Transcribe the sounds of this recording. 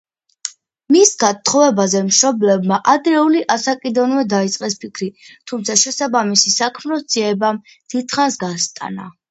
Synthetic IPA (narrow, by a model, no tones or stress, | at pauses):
misɡat̪ʰːχɔvɛbazɛmʃɾɔblɛbmaʔad̪ɾɛuliʔasakʼid̪ɔnvɛd̪ait̪sʼqʼɛspʰikʰɾit̪ʰumt̪sʰaʃɛsabamisisakʰmɾɔsd̪z̥iɛbam | d̪̥it̪χansɡast̪ʼa̰na̰